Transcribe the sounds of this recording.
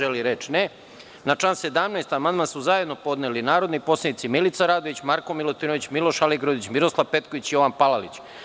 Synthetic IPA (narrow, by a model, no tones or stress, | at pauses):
eliɾet͡ʃne | nat͡ʃlanse̞d̪amnast̪amand̪̚mansuzaje̞d̪no̞po̞d̪nelinaːɾo̞d̪nipo̞slanit̪similit̪saɾaːd̪oʋit͡ɕmaɾko̞milˠot̪ino̞ʋit͡ɕmiloʃaliɡɾod̪it͡ɕmiɾo̞slˠaʋpe̞t̪̚koʋit͡ɕijo̞ʋanpalalit͡ɕ